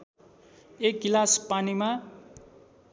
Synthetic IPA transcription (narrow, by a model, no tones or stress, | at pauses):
ekɡilaspanima